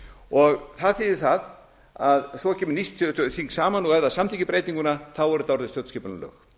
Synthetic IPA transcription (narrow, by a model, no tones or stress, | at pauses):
ɔɣθaðθiːðɪθað | aðsɔcʰɛːmʏnist̪ʰɪθiŋksaːmanɔɣɛvðasamt̪ʰicɪpɾeːjt̪iŋkʏnaθawɛɾʏt̪awɾðɪst̪jœwt̪scɛːpʏnalœ̰ːx